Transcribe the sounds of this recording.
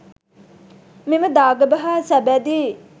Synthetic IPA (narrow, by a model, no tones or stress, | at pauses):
meməd̪aːɡəbəɦaːsæbæd̪iː